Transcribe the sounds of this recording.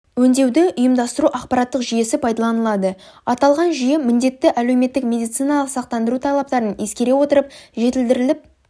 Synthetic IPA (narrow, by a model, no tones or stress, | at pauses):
wɵnd̪e̞wd̪ɪʊjəmd̪ɑst̪əɾuʔɑqpɑɾɑt̪ːəqʒije̞sɪpʰɑjd̪ɑlˠɑnəlˠɑd̪əɑt̪ɑlˠʁɑnʒije̞mɪnd̪e̞t̪ːɪʔæle̞wme̞t̪ːɪkmʲe̞d̪ijt̪sɨjnɑlˠəqsɑq̚t̪ɑnd̪əɾut̪ʰɑlˠɑp̚t̪ɑɾəne̞skʲe̞ɾe̞wo̞t̪əɾəpʒe̞t̪ɪld̪ɪɾɪlɪp̚